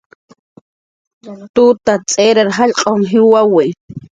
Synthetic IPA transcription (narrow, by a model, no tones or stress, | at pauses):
t̪ut̪at͡sʼeɾaɾɦaʎqʼoŋɦɪwawe